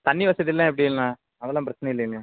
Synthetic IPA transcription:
t̪ɐnːiʋɐsɐðɪlːãːɛp̬ːɐɽijɪlnãː | ɐʋɐlãːpɾɐt͡ʃːɐnɐɪlːɐɪlã

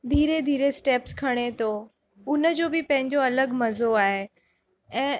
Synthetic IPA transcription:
d̪ʱiːɾed̪ʱiːɾesʈeːpskʰɐɽ̃et̪ʰo | ʊnəd͡ʑoːbɪpɐ̃ɦɪ̃ɲd͡ʑoɐləɡmɐzoaːɦe | ɛ̃ː

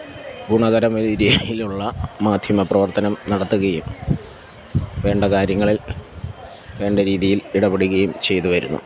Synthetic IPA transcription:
ɡuɳɐɣɐɾɐmɐɾijiluɭːɐmaːd̪ʱjɐmɐprɐʋɐrt̪ɐnɐmnɐɽɐt̪ːuɣɐjum | ʋe̞ːɳɖɐkaːɾjɐŋːɐɭil | ʋe̞ːɳɖɐɾiːðijiliɽɐbeɽuɣɐjumt͡ɕe̞jt̪uʋɐɾṵnːṵ

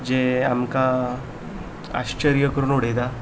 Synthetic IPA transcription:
d͡ʑeamka | a̰ɕt͡ɕəɾijəkəɾuːnoɽ̤ed̪a

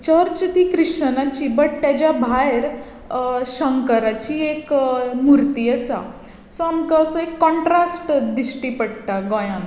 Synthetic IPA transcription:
t͡ɕəɾt͡ɕt̪ikɾiʂənat͡ɕibəʈ̚t̪jat͡ɕabʱajɾ | ɕəŋkəɾat͡ɕiekmuɾt̪iəsa̰ | soamkaːsəekːɔ̃ɳʈɾasʈd̪isʈipəɽt̪aɡɔ̃jãn

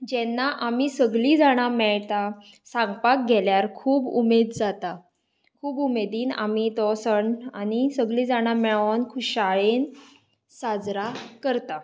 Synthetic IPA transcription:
d͡ʑɛnːaʔamisəɡlid͡zaɽ̃amɛɭt̪a | sãŋɡpak̚ɡʱɛljaɾkʰuːbumed̪d͡zat̪a | kʰuːbumed̪iːna̰mit̪ɔsəɳanisəɡlĩd͡zaɽ̃amɛɭankʰuɕaɭen | sad͡zɾakəɾt̪a

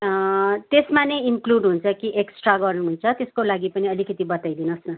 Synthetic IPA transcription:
t̪esmanejinkluɖɦunt͡sʰʌkiʔeksʈraɡʌrnuɦunt͡sʰʌt̪eskolaɡipʌniʌlikʌt̪ibʌt̪ajd̪inʌsnʌ

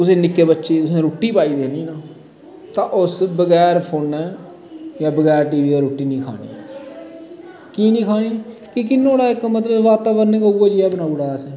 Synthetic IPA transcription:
ʊseːnɪkːeːbətːʃeːt̪ʊsẽːɾoːʈːiːpaːiːd̪eːniːnaː | t̪ãːʔʊsbəɡɛːɾpʰoːnɛː | jaːbəɡɛːɾʈiːʋiːɛːɾoːʈːiːnĩːkʰa̰ːɽḭː | kiːnĩːkʰaːɽ̃iːkɪk̬ɪnːõːɽaːɪkmət̪ləbʋaːt̪aːʋəɾnekauːaːd͡ʒiɛːbənaːuːɽaːəsɛː

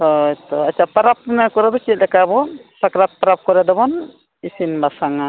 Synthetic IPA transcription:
hɔjt̪ɔat͡ʃʰapaɾap̚nakɔɾad̪ɔt͡ʃit̪̚lɛkabɔsakɾat̪̚paɾap̚kɔɾad̪ɔbɔn | isinbasaŋa

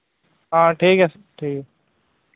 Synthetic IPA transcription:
ɦãːʈʰiːkɛs | ʈʰiːkɛ

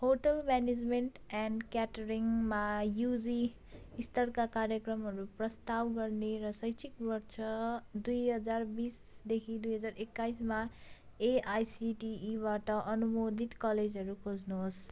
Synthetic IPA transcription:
ɦoʈʌlmɛned͡zmeɳʈɛnɖkaʈɾiŋmajud͡zi | ist̪ʰʌɾkakaɾjʌkrʌmɦʌɾuprʌst̪abɡʌɾneɾʌsʌjt͡sʰikbʌɾt͡sʰʌd̪ujɦʌd͡zarbisd̪ekʰid̪ujɦʌd͡zaɾekːajsma | eajsiʈiːbaʈʌʔʌnumod̪ʱit̪kʌled͡zɦʌɾukʰod͡znoɦs

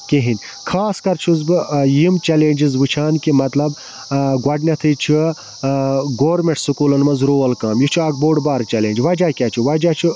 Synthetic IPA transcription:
keɦinʲ | kʰaːskɐɾt͡ʃʰuzbɨjimt͡ʃeleːnd͡ʒizʋɨt͡ʃʰaːnkimɐt̪lɐb | ɡwɐɖnʲɐt̪ʰɨjt͡ʃʰi | ɡoːɾmʲeʈsɨkulɐnmɐnzɾoːɐlkaːmjit͡ʃʰuɐːk̚boːɖbaːɾt͡ʃɛleːnʲd͡ʒʋɐd͡ʒaːkʲaːt͡ʃʰuʋɐd͡ʒaːt͡ʃʰu

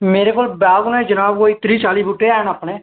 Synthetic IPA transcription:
meːɾeːkoːlbaːɡnːeːd͡ʒənaːboːit̪ɾiːt͡ʃaːliːbuːʈeːaːnəpɳeː

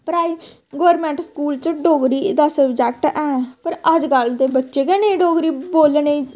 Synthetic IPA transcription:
pəɾaːiː | ɡoːɾmɛ̃ːɳʈskuːlt͡ʃəɖoːɡɾiːd̪aːsəbd͡ʒɛːk̚ʈɛːpəɾəd͡ʒɡəld̪eːbətːʃeːkɛːneːiɖoːɡɾiːboːlne

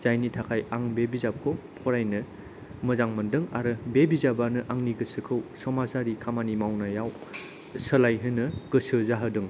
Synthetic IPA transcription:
z̥ajnitʰakʰajaŋbebizap̚kʰɔpʰɔɾajnɯ | mɯzaŋmɐndɯŋa̰ɾɯbebizabanɯʔaŋniɡɯsɯkʰɯwsɔmasaɾikʰamanimawnajaw | səlajɦɯnɯɡ̥ɯsɯzaɦɯdɯŋ

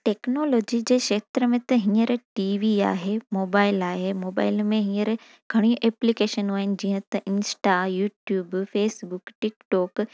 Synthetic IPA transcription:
ʈeːknoːloːd͡ʑid͡ʑeːkʃeːt̪ɾəmẽt̪ɐɦĩəɾʈiːʋia̰ːɦemoːbaːɪlaːɦemoːba̰ːɪlmẽɦĩəɾ | ɡʱɐɽ̃iʔɛːplikeːʃənɦuaːɦɪnɪ̆d͡ʑĩːɦə̃t̪ɐʔɪnsʈajuːʈjuːbfeːsbʊkʈɪkʈɔːk

